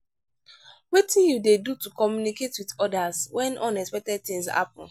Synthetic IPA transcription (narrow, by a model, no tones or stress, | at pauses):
wetĩnjudedutukɔmjuniketwiðɔdazwɛ̃nʔɔ̃nɛkspɛk̚tɛd̚θĩŋsa̰pɔ̰̃n